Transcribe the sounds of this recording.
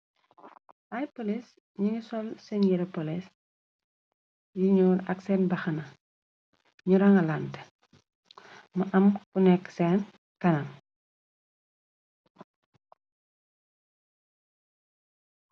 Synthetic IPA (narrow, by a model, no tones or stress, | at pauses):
ʔajpolis | ɲiŋisɔlsɛnjiɾɐpɔlis | jiɲuːlɐ̰ksɛnbɐxɐnɐ | ɲuɾaŋɐlant | muʔɐmkunɛkːsɛn | kɐnɐŋ